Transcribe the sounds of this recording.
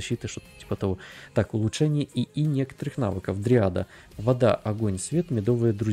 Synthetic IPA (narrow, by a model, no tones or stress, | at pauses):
ɐɕːit̪ɨʂt̪ot̪tʲi̥pət̪ɐvot̪akʊlˠʊtʂɛnʲɪjəiinʲe̞kə̥t̪əɾɨxna̰vɨkəfd̪ɾʲɪad̪ə̰ | vɐd̪a̰ʔɐɡonʲsvʲe̞t̪mʲɪd̪o̞vɨjəd̪ɾʊ